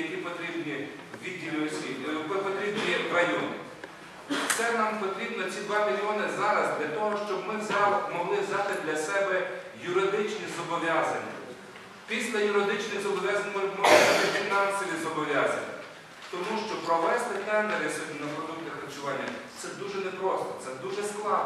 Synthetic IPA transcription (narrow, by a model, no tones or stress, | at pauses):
ɐkʲipɔt̪ɾʲibnʲi | ʋʲiddʲːilʲʊɔsʲʋʲijpɔpɔt̪ɾʲibnʲirɐjɔnɪ̰ | t̪sɛnɑmpɔt̪ɾʲibnɔt͡sʲid̪ʋɑmʲilʲiɔnɪzɑɾɐzd̪lʲɐt̪ɔɦɔʃt͡ʃɔbmɪzmɔɦlˠɪzd̪ɑt̪ɪd̪lʲɐsɛbɛjʊɾɪd̪ɪt͡ʃnʲizɔbɔʋʲjɑzɐnʲːɐ̰ | pʲisʲlʲɐjʊɾɪd̪ɪt͡ʃnɪjzɔbɔʋʲjazɐnʲɔmɔʒɐt̪ɪfʲinɑnsɔʋʲizɔbɔʋʲjazɐ̰nʲːɐ̰ | t̪ɔmuʃt͡ʃɔpɾɔʋɛst̪ɪt̪ɛnd̪eɾɪsʲinɐpɾɔd̪umnɪxɾɐt͡ʃʊʋɑnʲːɐt̪sɛd̪uʒɛnepɾɔst̪ɔt̪sɛd̪uʒɛsklˠɑ